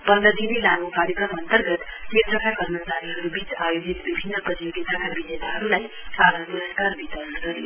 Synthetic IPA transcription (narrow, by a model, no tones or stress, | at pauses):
pʌnd̪ʌd̪inilaɡukaɾjʌkrʌmʌnt̪ʌrɡʌt̪ | met̪ʰrʌkʰakʌrmʌt͡saɾiɦʌɾubit͡sajod͡zit̪bibʱinːʌprʌjoɡit̪akabinet̪aɦʌɾulajpaɾʌnpuɾʌskarbit̪ʌlʌnɡʌɾijo